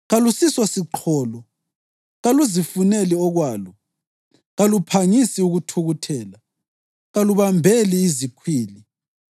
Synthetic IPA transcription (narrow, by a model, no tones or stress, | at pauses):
ɣalusiswasiǃʰɔːlɔ | ɣaluzifunɛliɔɣwaːlɔ | ɣalupʰaŋisiuɣutʰuɣutʰɛːla | ɣaluβambʱɛliːzikʰwiːli